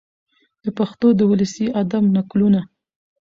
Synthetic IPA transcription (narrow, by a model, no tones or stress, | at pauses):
d̪̥əpaxt̪od̪əwʊləsiad̪amnakluna